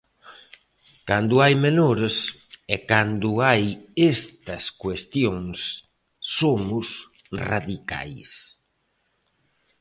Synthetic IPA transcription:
kand̪ʊajmenoɾes | ɛkand̪ʊajest̪ɐskwest̪joŋsː | omʊs | ra̰ðika̰js

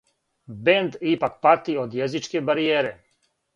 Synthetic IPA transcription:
bend̪ipak̚pat̪iod̪jezit͡ʃkebaɾijeːɾe

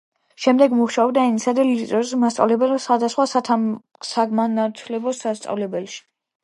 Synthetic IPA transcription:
ʃɛmd̪ɛɡmuχʃaɔbd̪ainisad̪ɛlit̪ʼɾɔzmast̪sʼa̰vlɛbɛlsχwad̪asχwasa | saɡmanat̪ʰlɛbɔsast̪sʼa̰vlɛbɛlʃi̥

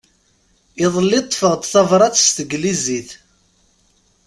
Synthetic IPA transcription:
ɪðˤəlːɪt̪ˤːfəʁt̪θɑvɾˤɑt͡sst̪əɡliziθ

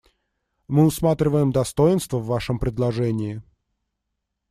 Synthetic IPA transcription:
mɨʊsmat̪ɾʲɪvəjɪmd̪ɐst̪ojɪnst̪vəvːaʂəmpɾʲɪd̪lˠɐʐɛnʲɪɪ

